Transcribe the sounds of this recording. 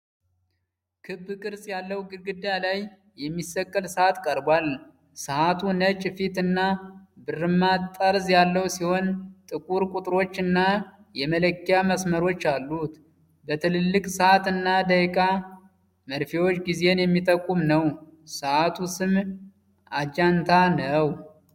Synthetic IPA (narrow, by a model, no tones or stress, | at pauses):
kʰɨbːkʼɨɾsʼjalːəwɡɨɡɨd̪jalaj | jɛmːisəkʼːəlsɨat̪kʼəɾbwal | sɨʔat̪ʰunət͡ʃʼːfit̪ɨnːabɨrːɨmːat̪ʼːəɾzjalːəwsiho̞nt̪ʼɨkʼuɾkʼut̪ʼɾo̞t͡ʃːɨnːa | jɛmələkːijaməsməɾo̞t͡ʃːalːut̪ | bət̪ʰɨlɨlːɨkʼsɨat̪ɨnːad̪əkʼa | məɾfiwo̞t͡ʃːɡize̞njɛmːit̪ʼəkʼːumnəwsɨʔat̪ʰusɨm | ʔad͡ʒant̪ʰanəw